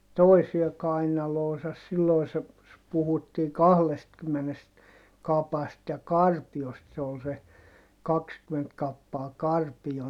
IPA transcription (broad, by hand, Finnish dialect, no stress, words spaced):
toisie kɑinɑloːsɑs silːoi se puhutːiː kɑhlestkymːenest kɑpɑst jɑ kɑrpiost se ol se kɑkskyment kɑpːɑː kɑrpijo